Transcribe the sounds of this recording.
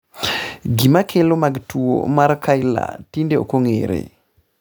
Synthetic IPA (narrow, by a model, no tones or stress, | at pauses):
ɡimakʰelomaɡtuo̰maɾkʰajla̰tindeo̰koŋeɾḛ